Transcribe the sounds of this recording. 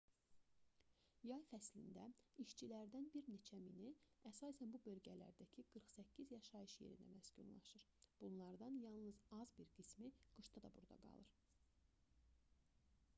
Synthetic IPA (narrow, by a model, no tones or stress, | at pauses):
jɑjfæslḭnd̪æiʃt͡ʃʰilæɾd̪ænbiɾne̞t͡ʃʰæminiæsɑːsænbubø̞lɟælæ̰ɾd̪æcʰiɡ̥ɯɾχsæcʰːizjɑʃɑjɯʃje̞̰ɾḭnd̪æ̰mæscṵnlˠɑ̰ʃɯɾ | b̥unlˠɑɾd̪ɑnjɑlˠnɯzɑzbiɾɡismiɡ̥ɯʃt̪ɑd̪ɑbṵɾd̪ɑ̰ɡɑ̰lˠɯɾ